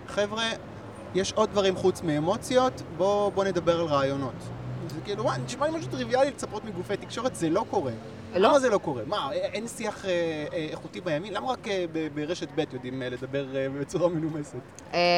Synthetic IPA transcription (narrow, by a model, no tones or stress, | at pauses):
χevʁe | jeʃod̪̚ːvaʁimχut͡smiːmo̞t͡sjo̞tbo̞bo̞ne̞d̪abe̞ʁalʁaːjo̞no̞tzekiluwaniʃmalemaʃ̬utʁivialilet͡sapotmiɡufet̪ikʃo̞ʁetzelo̞ko̞ʁe | lamazelo̞ko̞ʁe̞maeʔensiaχeːχutimajamimlamaʁakebebeʁeʃe̞tbetjodimle̞d̪abe̞ʁbet͡suʁamenumeset